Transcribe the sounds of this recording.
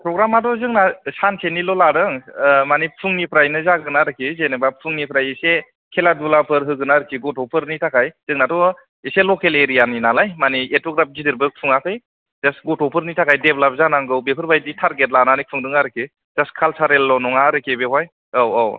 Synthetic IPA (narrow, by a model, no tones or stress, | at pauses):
pʰɾɔɡɾamadɔzɯŋnasankʰenilɔlaɾɯŋmanipʰɯŋnipʰɾajnɯzaɡɯnaɾɯkʰizenɯbapʰɯŋnipʰɾajese | kʰeladulapʰɯɾɦɯɡɯnaɾɯkʰiɡɔtʰɔpʰɯɾnitʰakʰajz̥ɯŋnatɔ | eselɔkeleɾijaninalajmanietɔɡɾap̚ɡidɯɾbɯk̚pʰɯŋakʰɯj | zasɡɔtʰɔpʰɯɾnitʰakʰajdeblap̚zanaŋɡɯwbepʰɯɾbajditʰaɾɡet̚lananipʰɯŋdɯŋaɾɯkʰi | zaskʰalsaɾelːɔnɔŋaɾɯkʰebeɦaj | awɔw